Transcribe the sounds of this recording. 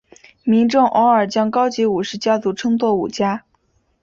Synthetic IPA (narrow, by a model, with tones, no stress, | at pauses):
mi˧˥ŋʈ͡ʂʊ˥˩ŋʔɔ˧˥ə˞˨˩t͡ɕjɑ˥ŋkɑ˥ʊt͡ɕi˧˥u˨˩ʂɻ̩˥˩t͡ɕja˥t͡su˧˥ʈ͡ʂʰɤ˥ŋt͡s̪wɔ˥˩ṵ˨˩t͡ɕja˥